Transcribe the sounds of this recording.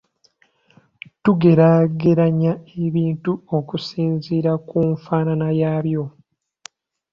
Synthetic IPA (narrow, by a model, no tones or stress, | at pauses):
tuɡe̞ɾaɡe̞ɾaɲae̞βiːntuo̞kusiːnziːɾakuɱfaːnanajaːβjo̞